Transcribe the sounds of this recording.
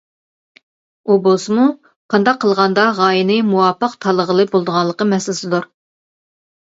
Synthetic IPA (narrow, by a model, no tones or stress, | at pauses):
ubosmu | qʰɑnd̪ɑqʰːəlˠʁɑnd̪ɑʁɑːjinɨmuwɑpəqt̪ʰɑlˠəʁəlˠɨbolˠd̪əʁɑnlˠəqəmɛsɪlɪsɪd̪uɾ